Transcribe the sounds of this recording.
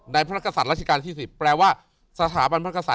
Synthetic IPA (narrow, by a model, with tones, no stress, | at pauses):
na˧jpʰa˧˦a˥˩kʰːa˧˩sa˨˩t̪̚ɾa˥˩t͡ɕʰa˧kaː˧nt̪ʰiː˥˩si˨˩pːɾɛː˧waː˥˩ | sa˧t̪ʰaː˩˦ba˧npʰkʰa˧sa˨˩